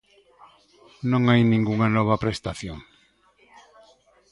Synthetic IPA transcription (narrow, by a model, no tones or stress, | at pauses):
nõŋajnĩŋɡuŋɐnɔβ̞ɐpɾest̪aθjoŋ